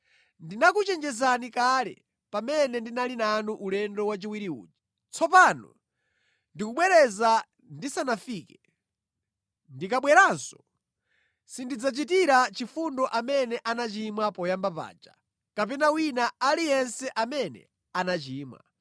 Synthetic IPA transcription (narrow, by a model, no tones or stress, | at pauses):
ndinakut͡ʃɛnd͡ʒɛzanikalɛ̰ | pamɛnɛndinalinanuʔulɛndɔwat͡ʃiwiɾiṵːd͡ʒḁ | t͡sʰɔpanɔ̰ | ndikuɓwɛɾɛza | ndisanafiːkɛ | ndikaɓwɛɾansɔ̥ | sindid͡zat͡ʃitiɾat͡ʃifundɔʔamɛnɛʔanat͡ʃimwapɔjambapa̰ːd͡ʒa | kapɛnawinaalijɛnsɛʔamɛnɛ̰ | anat͡ʃiːma̰